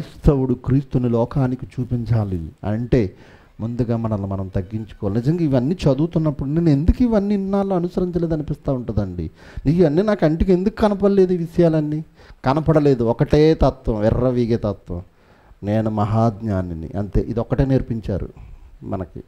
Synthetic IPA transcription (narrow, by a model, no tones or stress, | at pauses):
st̪ʰɐwuɽukɾiːst̪unilɔːkaːnikit͡ʃuːpiɲt͡ʃaːlḭɐ̰ɳʈe̞ː | mund̪uɡaːmɐnɐlːumɐnɐmt̪ɐɡːiɲt͡ʃu̥kɔʋalnid͡ʒɐŋɡaːiʋɐnːiːt͡ʃɐd̪uːt̪unːɐpːuɽuneːnee̞nd̪ukiʋɐnːinːaːlːoːɐnusɐɾiɲt͡ʃɐle̞ːd̪ɐnipist̪aːuɳʈund̪ɐɳɖḭ | nikiʋɐnːiːnaːkɐɳʈikend̪ukːukɐnɐpɐɽɐle̞ːd̪uːʋiʂɐjaːlɐnːi | kɐnɐpɐɽɐle̞ːd̪uɔkɐʈe̞ːt̪ɐt̪ʋɐ̃ʋirːɐʋiːɡet̪ɐt̪ʋɐ̰̃m | neːnumɐɦaːd̪ɲaːninḭʔɐ̰nt̪e̞̰ːʔḭd̪iɔkːɐʈeːneːɾpiɲt͡ʃa̰ːɾṵmɐ̰nɐkḭ